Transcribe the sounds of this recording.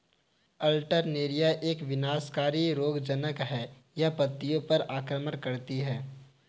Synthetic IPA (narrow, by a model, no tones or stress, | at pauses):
əlʈəɾneːɾijaʔeːkʋɪnaːskaːɾiɾoːɡd͡ʒənəkɦɛ | japɐt̪ːijõpɐɾaːkɾəməɾkɐɾt̪iɦɛː